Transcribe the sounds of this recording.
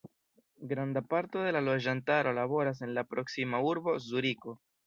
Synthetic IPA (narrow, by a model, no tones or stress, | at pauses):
ɡɾand̪apaɾt̪eðelaloʒant̪aɾolaβo̞ɾas̬e̞nlapɾoksimauɾβozuɾiko